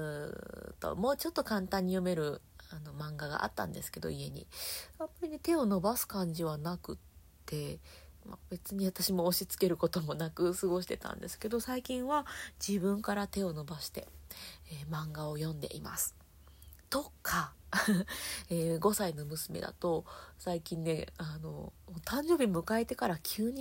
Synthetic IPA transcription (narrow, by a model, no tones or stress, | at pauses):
ɯt̪o̰mo̞ːt͡ɕo̞t̪ːo̞kãnt̪ãɲ̟ːijo̞me̞ɾɯ̟ano̞mãŋɡaɡa̰ʔa̰t̪ːã̰nd̪e̞sɨ̥ke̞d̪o̞̰ie̞ɲ̟ḭamːaɾʲinet̪e̞o̞no̞basɨ̥kãɲ̟d͡ʑiβanakɯ̟t̪ː | e̞ma̰be̞t͡sɨɲ̟iβat̪aɕimo̞ːɕit͡sɨ̥ke̞ɾɯ̟ko̞t̪o̞mo̞nakɯ̟sɨɡo̞ɕi̥t̪e̞t̪ã̰nd̪e̞sɨ̥ke̞d̪o̞saikʲĩɰ̃βad͡ʑibɯ̟̃ŋkaɾat̪e̞o̞no̞baɕi̥t̪e̞̰ | mãŋɡao̞jõ̞nd̪e̞̰ʔḭma̰sɨ̥ | t̪o̞kʰːa | eːɡo̞saino̞mɯ̟sɨme̞̰d̪a̰t̪o̞saikʲĩnːe̞ano̞̰t̪ʰãɲ̟d͡ʑo̞ːbʲimɯ̟kae̞t̪e̞kaɾakʲʰɨːɲ̟i